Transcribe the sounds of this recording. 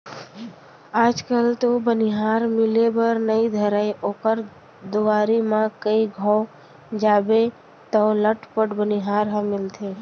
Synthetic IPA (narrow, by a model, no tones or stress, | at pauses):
aːd͡ʒkəlt̪obəniɦaɾmɪlebəɾnəid̪ʱəɾajʔoːkəɾ | d̪ʊaɾimãkəiɡʱɔ̃ | d͡ʒaːbe | t̪ələʈpəʈbəniɦaːɾɦəmɪlt̪ʰe